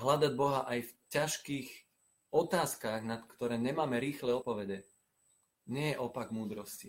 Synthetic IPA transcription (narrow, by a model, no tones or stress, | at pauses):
ɦlad̪aɟbɔɦaʔajfcaʃkiːx | ɔt̪aːskaɣnat̪kt̪ɔɾɛːɲɛmaːmɛɾiːxlɛɔt̪̚pɔʋɛɟɛ | ɲɛjɛʔɔpaɡmuːd̪ɾɔsci